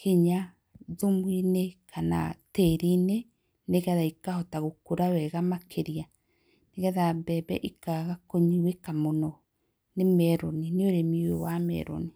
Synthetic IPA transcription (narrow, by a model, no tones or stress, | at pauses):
kiɲa | ðomwinekʰana̰teɾine | neɣɛðaikaɔtaɣokoɾawɛɣamakʰeɾia | neɣɛðabɛbɛʔikaɣakoɲiwekamonɔ | nemɛɾonineoɾemiwewamɛ̰ɾo̰ni